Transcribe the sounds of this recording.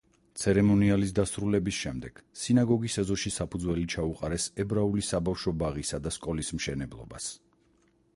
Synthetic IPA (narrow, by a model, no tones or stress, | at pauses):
t̪sʰɛɾɛmɔnialis̬d̪asɾulɛbisʃɛmd̪ɛɡ̥sinaɡɔɡisɛzɔʃisapʰud̪zwɛlit͡ʃʰauqʼaɾɛsɛbɾaulisabafʃɔbaʁisad̪askʼɔlismʃɛnɛblˠɔ̰ba̰s